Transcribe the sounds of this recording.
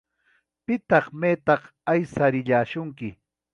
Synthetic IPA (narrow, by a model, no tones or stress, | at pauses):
pɪt̪ɑχmeːt̪ɑχ | ajsaɾɪʎaːʃʊŋkɪ